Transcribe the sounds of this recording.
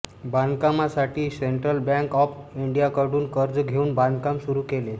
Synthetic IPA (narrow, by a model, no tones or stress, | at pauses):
bankamasaʈʰiːseɳʈɾəlbɛ̃ŋkɔfiɳɖijakəɽuːnkəɾd͡zɡʱeuːnband̪kamsuɾuːkele